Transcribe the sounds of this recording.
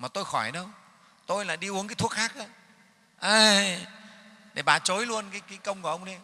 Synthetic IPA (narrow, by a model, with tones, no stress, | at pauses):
maː˨˩t̪o˧jxɔ˧˩jɗə˧w | t̪o˧jla̰ː˧˨jɗi˧ʔu˨˦əŋkaː˨˦jt̪ʰu˦˥ək̚xaː˦˥k̚ʔa˨˧˦ | ʔəː˧˩ | ɗe˧˩ɓaː˨˩t͡ɕo˨˦jlu˧ənkaː˨˦jkaː˨˦jkə˧wŋ͡mku˧˩əʔə˧wŋ͡mɗi˨˧˦